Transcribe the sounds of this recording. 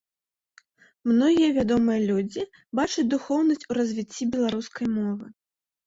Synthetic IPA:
mnɔɣʲijɐvʲad̪ɔmɨjɐlʲud͡zʲi | bat͡ʂɐt͡sʲd̪uxɔwnɐsʲt͡sʲuɾɐzʲvʲit͡sʲːibʲɛlˠaɾuskɐjmɔvɨ

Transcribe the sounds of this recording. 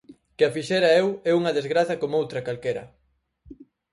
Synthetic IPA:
keafiʃɛɾɐewɛuŋɐðezɣɾaθɐkomowt̪ɾɐkalkeɾɐ̰

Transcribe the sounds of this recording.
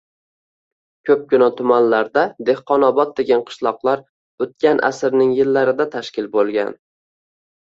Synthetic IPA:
kʲʰɵp̚ɡʊnat̪ʰʊmanlaɾd̪ad̪e̞hqɒnɒbɒt̪̚d̪e̞ɡʲanqʰɨ̥ʃlˠɒqlˠaɾ | ɵt̪̚kʲanʔa̰sɪɾnɪŋjɪlːaɾɪd̪at̪ʰaʃkʲɪlbolˠɡʲa̰n

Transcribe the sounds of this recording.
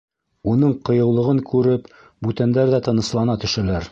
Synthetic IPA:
unɤɴqɤ̆jɤ̆wlˠɤ̆ʁɤŋkʉɾɘp | bʉt̪ænd̪æɾðæt̪ɤ̆nɤ̆slˠɑnɑt̪ɵ̆ʃælæɾ

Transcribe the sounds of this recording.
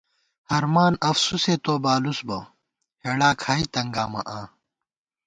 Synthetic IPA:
hɐɾmaːnɐfsuseːt̪oːbaːlusbɐ | heɽaːkʰaːit̪ɐŋɡaːmɐ̰ʔãː

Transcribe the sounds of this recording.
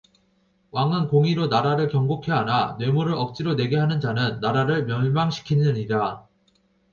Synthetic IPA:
waŋɯnkoŋiɾonaɾaɾɯɭkjʌŋɡokʰe̞ananwe̞muɾɯɭʌk̚t͡ɕ͈iɾone̞ɡeɦanɯnd͡ʑanɯnːaɾaɾɯɭmjʌɭmaŋɕʰi̥kʰinɯɲida

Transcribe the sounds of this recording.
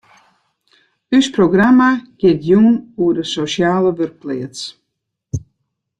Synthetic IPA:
ysproɡramaɡ̥jɪtjumuədəsosjaːləʋørk̚plɪət͡s

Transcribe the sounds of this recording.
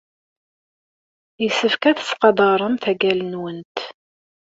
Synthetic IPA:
jəsəfkæθə̥sqɑd̪ˤəɾˤəmθæɡælənwənt̪

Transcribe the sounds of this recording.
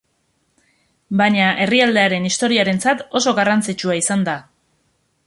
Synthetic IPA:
bajɲaʔe̞riald̪e̞aɾe̞nist̪o̞ɾiaɾe̞nt͡sat̪o̞so̞ɣarant͡sit͡ʃuaisand̪a

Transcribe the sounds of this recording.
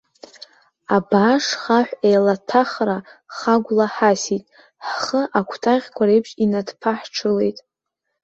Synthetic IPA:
abaʂχaħʷᶣejlatʰaχraχaɡʷlaħasitʼ | ħχəʔakʷʰtʰaʁʲkʷʰaɾejpʰʃinadpʰaħʈ͡ʂʰɨle̞̰jtʼ

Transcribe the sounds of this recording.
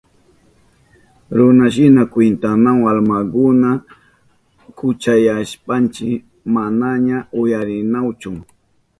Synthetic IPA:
ɾʊnaʃ̬ɪnakwɪnt̪anaŋalmakʊna | kʊt͡ʃajaʃpant͡ʃɪk | manaɲaʊjaɾɪnawt͡ʃʊ

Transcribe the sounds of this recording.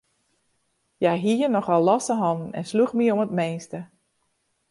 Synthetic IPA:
jajɦiərnɔxɔlˠːɔsəɦɑnn̩ɛ̰nsluxmiomətmeːnstə

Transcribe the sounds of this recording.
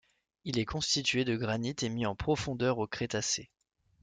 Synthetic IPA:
ilɛkɔ̃st̪it̪ɥed̪əɡʁanit̪emiɑ̃pχɔfɔ̃d̪œʁokχet̪ase

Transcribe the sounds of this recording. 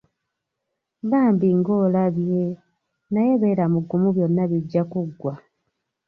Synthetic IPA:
ɡaːmbiŋɡo̞ːlaβje | najeβe̞ːɾamuɡːumuβjo̞nːaβiɟːakuɡːwa

